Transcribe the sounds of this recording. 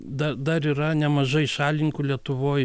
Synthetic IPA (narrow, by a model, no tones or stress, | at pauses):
d̪ɐd̪ɐɾiːɾɐnʲɛmɐʒɐɪʃɑːlʲɪŋkʊlʲiɛt̪ʊʋoːj